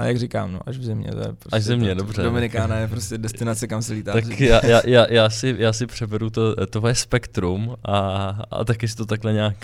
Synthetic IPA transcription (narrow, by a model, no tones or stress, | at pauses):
ajaɡrikaːmno̰ʔaʒvzɛmɲɛ̰t̪jɛ̰pɾosaʃʒzzɛmɲɛdobr̝ɛdomɪnɪkaːnajɛpɾoscɛdɛst̪ɪnat͡sɛkamsɛliːt̪aːakjaːjaːjaːjaːsɪjaːsɪpr̝̥ɛbɛɾut̪ot̪oɦojɛspɛkt̪ɾumʔaa̰t̪akɪs̬ɪ̥t̪o̞t̪aklɛɲaːk